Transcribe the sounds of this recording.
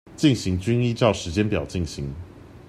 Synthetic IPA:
t͡ɕi˥˩ŋnɕi˨˥ŋt͡ɕy˥ni˥˧ʈ͡ʂɑ˥˩ʊʂɻ̩˧˥t͡ɕjɛ˥npjɑ˨˩ʊt͡ɕi˥˩ŋɕi˧˦ŋ

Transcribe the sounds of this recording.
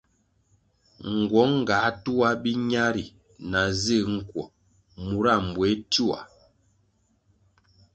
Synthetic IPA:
ŋ̩˨ɡwɔ˨˦ŋ˦˨ɡa˨˦tu˦a˦bi˦ɲa˦ɾi˨ | na˨ze˦˨ŋ̩˨kwɔ˨ | mu˨ɾa˦˨m˨bwe˨˦tu˦wa̰˨

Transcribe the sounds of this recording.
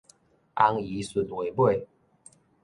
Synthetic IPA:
a˦ŋi˨˦su˨˩nwe˨˦jbwe˥˨ɪ

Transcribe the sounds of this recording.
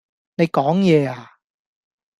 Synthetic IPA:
ne˨˧jkɔː˨˥ŋjɛː˨˧aː˨

